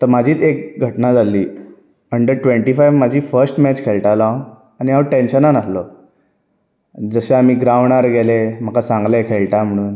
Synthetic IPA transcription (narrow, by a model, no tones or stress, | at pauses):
t̪əɾmad͡ʑʱiːt̪ek̚ɡʱəʈnad͡zaliː | əɳɖəɾʈʋẽɳʈifajʋmad͡ʑʱiːfəɾsʈmɛt͡ɕkʰeɭʈalãw | añiɦaʋʈenɕənanaslo | d͡zəɕeam̤iːɡɾaʋɳaɾɡelem̤əkasãŋɡlekʰelʈam̤əɽ̃uːn